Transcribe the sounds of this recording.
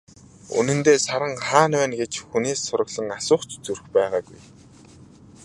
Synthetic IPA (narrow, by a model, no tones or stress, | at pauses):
ṵnɘ̆nt̪eːsaɾə̆ŋχaːnwæːnɡet͡ɕxuneːsːʊɾə̆ɣɮə̆ŋasʊːχt͡ɕt͡surxpæːʁaːɡuj